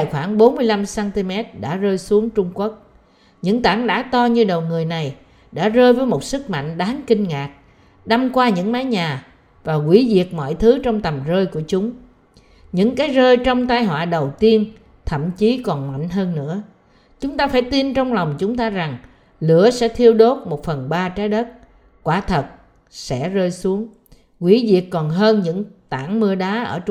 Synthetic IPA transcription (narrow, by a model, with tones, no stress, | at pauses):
a˨jxwaː˧˩ŋɓo˨˦nmɨ˧əjla˧msaː˧nt̪i˧mɛ˦˥t̚ɗa̰ː˧˥zəː˧jsu˨˦əŋt͡ɕʊ˧ŋ͡mku˦˥k̚ | ɲɨ̰˧˥ŋt̪aː˧˩ŋɗa̰ː˧˥t̪ɔ˧ɲɨ˧ɗə˨˩wŋɨ˨˩əjna˨˩j | ɗa̰ː˧˥zəː˧jvəː˨˦jmo˨˩t̚sɨ˦˥k̚ma̰˧˨jŋ̟ɗaː˨˦nkï˧ŋ̟ŋaː˨˩k̚ | ɗa˧mkwaː˧ɲɨ̰˧˥ŋmaː˨˦jɲaː˨˩ | vaː˨˩kwi˧˩˦zi˨˩ək̚mɔ̰˧˨jt̪ʰɨ˨˦t͡ɕɔ˧wŋ͡mt̪ə˨˩mzəː˧jku˧˩ət͡ɕʊ˨˦ŋ͡m | ɲɨ̰˧˥ŋkaː˨˦jzəː˧jt͡ɕɔ˧wŋ͡mt̪aː˧jɦwa̰ː˧˨ɗə˨˩wt̪i˧ən | t̪ʰə̰˧˨mt͡ɕi˨˦kɔ˨˩nma̰˧˨jŋ̟ɦəː˧nːɨ̰˧˥˨ə | t͡ɕʊ˨˦ŋ͡mt̪aː˧faː˧˩jt̪i˧nt͡ɕɔ˧wŋ͡mla˨˩wŋ͡mt͡ɕʊ˨˦ŋ͡mt̪aː˧za˨˩ŋ | lɨ˧˩əsɛ̰˧˥t̪ʰi˧əwɗo˦˥t̚mo˨˩t̚fə˨˩nɓaː˧t͡ɕaː˨˦jɗə˦˥t̚ | kwaː˧˩t̪ʰə˨˩t̚ | sɛ̰˧˥zəː˧jsu˨˦əŋ | kwi˧˩˦zi˨˩əkːɔ˨˩nɦəː˧nɲɨ̰˧˥ŋt̪aː˧˩ŋmɨ˧əɗaː˨˦ʔəː˧˩